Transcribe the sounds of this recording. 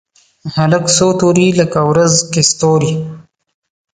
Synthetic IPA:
haləksot̪uɾiləkawɾazkest̪oːɾi

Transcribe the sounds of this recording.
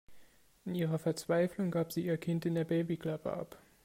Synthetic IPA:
ʔɪnʔiːʁ̞ɐfɛɐt͡sv̥aɪflʊŋɡaːpz̥iːiːɐkʰɪntɪndeːɐbeɪbikl̥apə̰ʔa̰p

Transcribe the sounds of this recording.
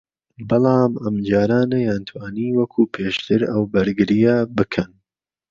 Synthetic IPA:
bɑlˠɑːmɐmd͡ʒaːɾaːnɐjaːnt̪ʰwaːniːwɐkʰuːpʰeːʃt̪ʰɨɾɐwbɐɾɡɨɾijɐbɨkʰɐn

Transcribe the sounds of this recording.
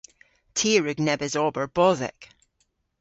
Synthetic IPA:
tʰiːəɹʉɡnɛbɪzɔbə˞b̥ɔzɪ̰k

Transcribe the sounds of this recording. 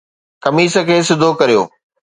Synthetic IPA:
kɐmiːsə̆kʰeːs̬ɪd̪ʱokɐɾijo̰ː

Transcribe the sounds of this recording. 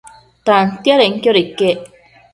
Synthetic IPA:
t̪ant̪jaɾeŋkʲjoɾikːe

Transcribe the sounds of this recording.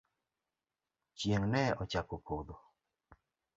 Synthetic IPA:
t͡ʃjeŋnɛɔt͡ʃakopʰod̪o

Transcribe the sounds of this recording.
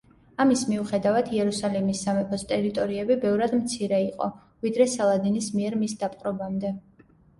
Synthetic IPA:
amismiuχɛd̪avad̪ʰiɛɾusalimisːamɛpʰɔst̪ʼɛɾit̪ʼɔɾiɛbibɛvɾad̪mt̪sʰiɾɛiqʼɔ̰ | vid̪ɾɛsalˠad̪inismiɛɾmisd̪apʼqʼɾɔbamd̪ɛ

